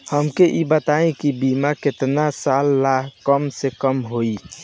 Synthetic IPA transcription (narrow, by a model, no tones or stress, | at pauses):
həmkeʔibət̪aẽkibimaket̪nasalːaɦkəmsekəmɦoi